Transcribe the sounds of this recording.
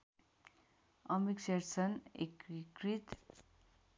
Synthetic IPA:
ʌmikseɾsʰʌnḛkikrit̪

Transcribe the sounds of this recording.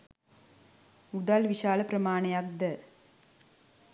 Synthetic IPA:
ud̪aːlʋiʂaːlɐpɾɐmaːɳɐjaːk̚d̪ɐ

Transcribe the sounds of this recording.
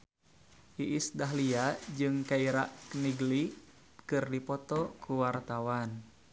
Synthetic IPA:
ʔiʔisdaɦliad͡ʒɨŋkaiɾaʔkəniɡli | kɨrdipɔt̪ɔkʰuwart̪awan

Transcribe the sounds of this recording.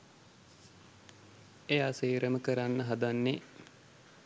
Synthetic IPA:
ejasiːɾəməkəɾanːəɦad̪anːe

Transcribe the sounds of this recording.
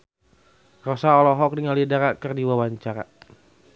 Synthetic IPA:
rɔsaɔlɔɦɔk̚diŋalidaɾakərdiwawaɲt͡ʃaɾa̰

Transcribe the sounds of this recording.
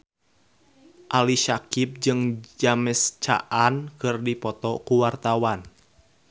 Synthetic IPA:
ʔaliʃakip̚d͡ʒɨŋd͡ʒamɛst͡ʃa̰ʔankɨrdipɔt̪ɔkuwart̪awan

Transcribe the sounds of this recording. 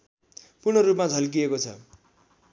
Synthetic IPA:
purnʌɾup̬mad͡zʱʌlk̬iekot͡sʰʌ̰

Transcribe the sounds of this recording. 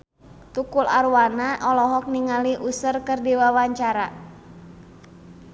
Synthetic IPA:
t̪ukula̰ɾuwanaʔɔlɔɦɔk̚niŋaliʔusərkɨrdiwawaɲt͡ʃaɾa

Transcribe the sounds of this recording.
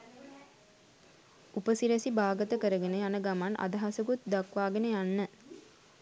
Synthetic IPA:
upəsiɾəsibaːɡət̪əkəɾəɡenəjanəɡamanʔa̰d̪ɐɦasəɡut̪̚d̪akʋaːɡenəjanːə

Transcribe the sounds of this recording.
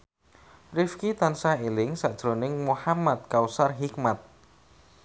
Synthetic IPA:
rifkit̪ansaelɪŋsad̥ʒ̥ɾonɪŋmuhamat̪̚kausarɦikmat̪̚

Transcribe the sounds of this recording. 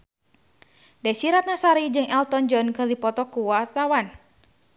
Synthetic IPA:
dasiɾat̪̚nasaɾid͡ʒɨŋɛlt̪ɔnd͡ʒɔnkədipɔt̪ɔkuwat̪awan

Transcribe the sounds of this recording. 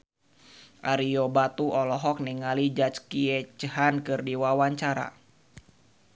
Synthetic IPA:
ʔaɾiobat̪uʔɔlɔɦɔk̚niŋalid͡ʒat͡ʃkiɛt͡ʃəɦankɨrdiwawaɲt͡ʃaɾa̰

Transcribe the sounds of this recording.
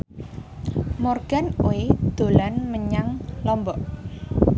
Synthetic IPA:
mɔrɡ̥anoed̪̥o̤lanməɲaŋlɔmbɔʔ

